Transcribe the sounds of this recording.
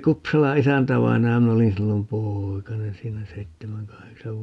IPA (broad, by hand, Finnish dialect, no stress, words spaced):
kupsɑlɑ isæntæʋɑinɑjɑ min olin silːom poːikɑnen siːnæ seitːemæŋ kɑheksɑʋ